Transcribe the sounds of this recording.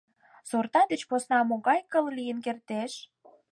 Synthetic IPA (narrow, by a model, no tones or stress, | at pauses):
sort̪ɑd̪et͡ɕposnɑmoɣɑjkəllijənkert̪eʃ